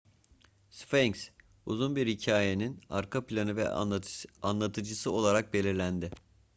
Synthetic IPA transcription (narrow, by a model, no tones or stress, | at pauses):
sfeɲks | uzunbiɾhicʰaːje̞ninaɾkʰaplʲanɯvɛ̰ | anlˠat̪ʰɯd͡ʒɯsɯo̞lˠaɾak̚be̞lʲiɾlʲænd̪ɪ